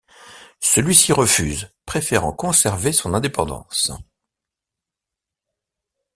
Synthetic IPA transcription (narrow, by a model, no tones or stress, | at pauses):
səlɥisiʁəfyːzpχefeʁɑ̰̃kɔ̃sɛʁvesɔ̃nɛ̃d̪epɑ̰̃d̪ɑ̰̃s